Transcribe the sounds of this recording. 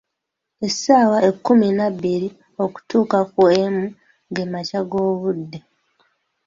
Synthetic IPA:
e̞saːwaekːuminaβːiɾi | o̞ku̥tuːkakuemu | ɡe̞macaɡo̞ːβudːe̞

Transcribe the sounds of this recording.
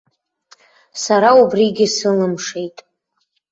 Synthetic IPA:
saɾaubriɡʲɪsɨlɨmʂe̞jtʼ

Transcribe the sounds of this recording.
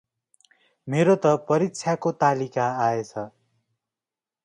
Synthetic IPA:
meɾot̪ʌpʌɾik̚t͡sʰjakot̪alikaːet͡sʰʌ

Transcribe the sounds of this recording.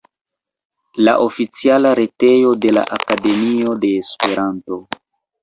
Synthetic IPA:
la̰ʔo̞fit͡sialaɾe̞te̞jo̞de̞la̰ʔakade̞mio̞de̞ːspe̞ɾanto̞

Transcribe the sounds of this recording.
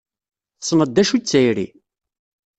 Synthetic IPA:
θsˤnəd̪ːæʃut͡sːæjɾḭ

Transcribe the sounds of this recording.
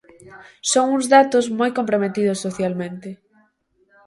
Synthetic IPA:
soŋuŋzðat̪ʊzmojkompɾomet̪ið̞ʊsːoθjalmẽnt̪ɪ

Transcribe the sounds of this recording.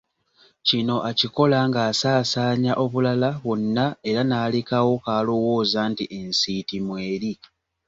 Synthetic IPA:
cino̞ʔaciko̞laŋɡaːsaːsaːɲaʔo̞βulalaβwo̞nːae̞ɾanaːlekawo̞kaːlo̞wo̞ːzaːntiʔe̞nsitimwe̞ːɾi

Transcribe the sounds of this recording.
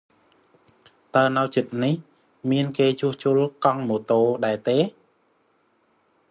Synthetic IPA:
t̪aənawt͡ɕɨt̪̚nih | miənkeːt͡ɕuəht͡ɕuəlkɑŋmoːt̪oːɗaɛt̪eː

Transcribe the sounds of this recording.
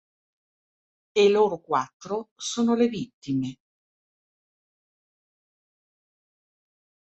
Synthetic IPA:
eloːɾokwat̪ːɾosoːnolevit̪ːime

